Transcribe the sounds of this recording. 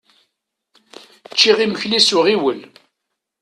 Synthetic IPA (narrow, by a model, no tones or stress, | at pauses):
t͡ʃːiʁiməçlisʊʁiwəl